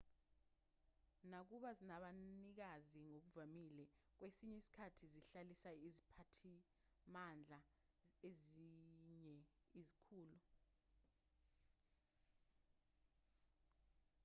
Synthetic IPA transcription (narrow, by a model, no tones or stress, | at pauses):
nak̬uɓazinaɓanik̬aziŋok̬uvamilɛk̬wesiɲɛisi̥kʰatʰiziɬalisaizipʰatʰi | mand͡ɮʱa | eziɲɛ | izikʰuːlu